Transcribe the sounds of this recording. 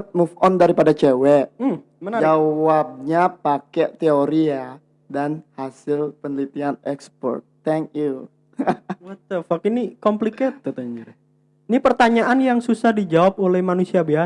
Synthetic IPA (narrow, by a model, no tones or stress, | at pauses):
t̪̚mufɔndaɾipadat͡ʃewɛʔ̩ | mənad͡ʒawab̚ɲapakɛʔt̪eoɾia | danhasɪlpənlit̪ianɛkspɔ̰rt̪̚ːɛŋkju | bət̪əfakinikɔmpliket̪̚ːət̪əɲd͡ʒuɾi | nipərt̪aɲaʔanjaŋsusahdid͡ʒawap̚olɛhmanusiabia